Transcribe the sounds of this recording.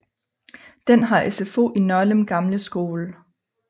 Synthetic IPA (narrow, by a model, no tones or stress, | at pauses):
d̥enɦɑ̈ʔesefo̝̰ʔinɒ̽ləmɡ̥ɑ̈mləsɡ̥o̝ːlə